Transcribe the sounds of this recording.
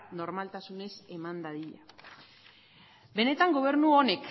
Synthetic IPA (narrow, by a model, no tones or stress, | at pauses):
no̞ɾmalt̪asune̞se̞mand̪aðiʎa̰ | be̞ne̞t̪aŋɡo̞β̞e̞ɾnuo̞ne̞k